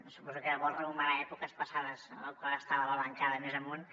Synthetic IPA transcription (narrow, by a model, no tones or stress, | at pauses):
supɔzukəʎəβɔrrəumaɾaɛpukəspəsaðəzəlˠkwalˠəst̪aβəβələŋkaðəmezəmun